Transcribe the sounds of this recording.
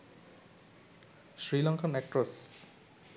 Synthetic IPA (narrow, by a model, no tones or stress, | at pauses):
ʃɾilɔŋkʰanɛk̚ʈɾos